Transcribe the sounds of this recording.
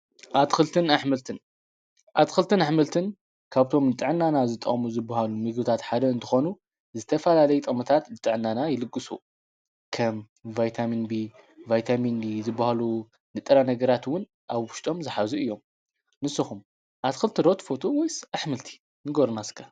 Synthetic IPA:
ʔat̪kɨlt̪ʰɨnaħmɨlt̪ʰɨn | ʔat̪xɨlt̪ʰɨnaħmɨlt̪ʰɨn | kʰaβt̪ʰo̞mnɨt̪ʼɨʕɨnːanazɨt̪ʼːɐ̰χʼmuzɨbːahalumɨɡbɨt̪ʰat̪ħad̪ɐɨnt̪ʰɨxo̞nu | zɨt̪ʰɐfɐlalɐjt̪ʼɐmɐt̪ʰat̪nɨt̪ʼɨʕɨnːanajɪlɨkʼːɨsṵ | kʰɐm | vajt̪ʰaminbi | vajt̪ʰaminbizɨbːahalu | nɨt̪ʼɨɾanɐɡɐɾat̪wʊn | ʔaβwʊʃt̪ʼo̞mzɨħazuɨjːo̞m | nɨsːɨxum | ʔat̪xɨlt̪ʰɨɾot̪fo̞t̪ʰo̞wojsʔaħmɨlt̪ʰi̥ | nɨɡoɾnaskʰa

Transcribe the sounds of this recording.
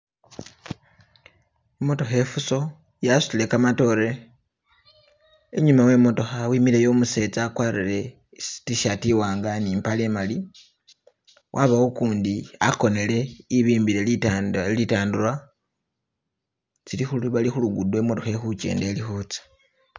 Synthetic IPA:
emo̞to̞xe̞fuso̞ | jasu̥ile̞kamato̞ɾe̞ | eɲumawe̞mo̞to̞xawimiɾejo̞ːmuse̞t͡sakwaːɾile̞̥ | tiʃatiwaːŋɡaniːmpale̞ːmali | wʔaβawokuːndiako̞ne̞le̞iβiːmbiɾe̞lilitaːnduɾa | t͡silixulβalixuluɡudwe̞mo̞to̞xe̞xut͡ʃe̞̰ːnde̞lixut͡sḁ

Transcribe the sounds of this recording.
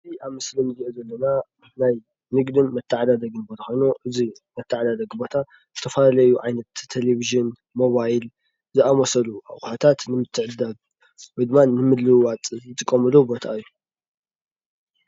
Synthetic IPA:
ɨziaβmɨslinɨziʔuzɐlːɐna | naj | nɨɡd̪ɨnmɐt̪ʰːɨʕad̪ad̪ɐɡɨnbot̪ʰɐxo̞jnuʔɨzi | mɐt̪ʰːɨʕad̪ad̪ɐɡbo̞t̪ʰa | zɨt̪ʰɐfɐlalɐjuʕajnɐt̪ʰːeleβiʒɨn | mo̞βajl | zɨʔamosɐlua̰xʼuħat̪ʰat̪nɨmɨt̪ʰːɨʕɨd̪aβ | wɔjd̪ɨmːanɨmɨd̪lɨwwat͡sʼɨzɨt̪ʼɨkʼːɐmɨlubo̞t̪ʰa̰ʔɨjːu

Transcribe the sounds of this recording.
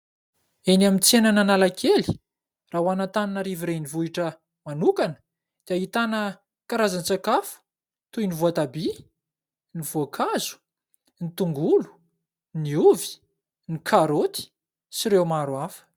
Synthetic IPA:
enamit͡senananalakʰeli | raɦwanat̪aninəɾiviɾenivuiʈ͡ʂə | manukanə̥ | d̪̥eaɦit̪anə | kaɾazant͡sakafu̥ | t̪ujnivoat̪abi | niv̥oakʰazu̥ | nit̪uŋɡulu̥ | niuvi̥ | nikʰaɾot̪i̥ | siɾewmaɾuafə̥

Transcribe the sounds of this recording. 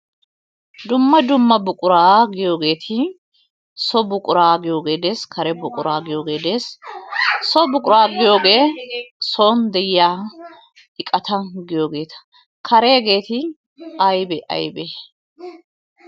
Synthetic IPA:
d̪ʊmːɐd̪ʊmːɐbʊkʼʊɾaːɡɪjo̞ːɡe̞ːt̪ʰɪ | sɔbʊkʼʊɾaːɡɪjo̞ːɡe̞ːd̪eːskʰɐɾɛbʊkʼʊɾaːɡɪjo̞ːɡe̞ːd̪eːs | sɔbʊkʼʊɾaːɡɪjo̞ːɡe̞ːsoːnd̪ɛjɪjaː | ɪkʼɐt̪ɐɡɪjo̞ːɡe̞ːt̪ɐ̥ | kʰɐɾe̞ːɡe̞ːt̪ɪ | ɐjbɛʔɐ̰jbe

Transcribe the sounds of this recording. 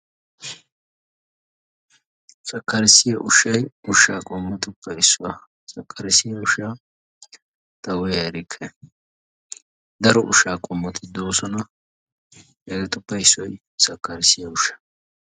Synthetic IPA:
sɐkːɐɾɪsːɪjɐʔʊʃːɐjʊʃaːkʼɔmːɐt̪ʊpʰːɐjɪsːʊwɐ | sɐkːɐɾɪsɪjɐʊʃaː | t̪ɐwɔjɐɾɪkʰːɛ | d̪ɐɾɔʔʊ̰ʃaːkʼɔmːɐt̪ʰɪd̪o̞ːsɔnɐ | ɛɡɛt̪ʊpːɐjɪsːɔj | sɐkːɐɾɪsːɪjɐʊʃɐ̥

